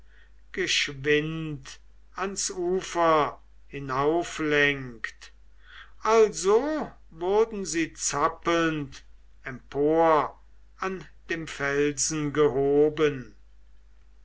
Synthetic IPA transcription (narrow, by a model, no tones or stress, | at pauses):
ɡ̥əʃvɪnt | ansuːfɐ | hɪnaʊflɛŋkt | ʔalzo | vʊɐdn̩ziːt͡sapəlnt | ɛmpʰoːɐ | ʔand̥eːmfɛlzn̩ɡəɦoːbən